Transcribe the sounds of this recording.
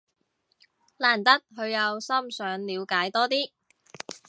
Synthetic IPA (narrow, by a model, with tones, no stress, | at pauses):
laː˨˩nt̪ɐ˥t̚ɦɵ˨˧ɥjɐ˨˧wsɐ˥msœː˨˧ŋliː˨˧wkaː˨˥jt̪ɔː˥t̪iː˥